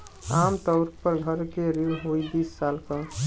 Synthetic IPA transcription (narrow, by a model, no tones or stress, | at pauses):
amt̪əʊɾk̚pəɾɡʱəɾkeɾiuɦojd̪isːalkə